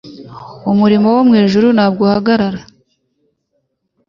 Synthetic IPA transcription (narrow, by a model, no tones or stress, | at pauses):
umuɾimo̞womŋeːʒuɾunhaːbɡohaɡaɾaɾa